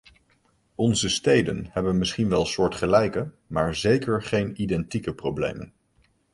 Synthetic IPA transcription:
ɔnzəstejdə̰nhɛbənmɪsχinʋɛlˠsʊːɹtχəlɛjkə | maːɹzejkəɹχejnidɛntikəprowblḛjmə̰n

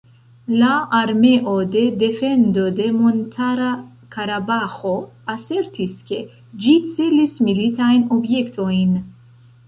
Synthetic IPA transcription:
laaɾme̞ʔo̞de̞de̞fe̞nd̪o̞de̞mo̞ntʰaɾa | kaɾabaxo̞ | ase̞ɾtiske̞ | d͡ʒit͡selismilit̪ajno̞bje̞kt̪o̞jn

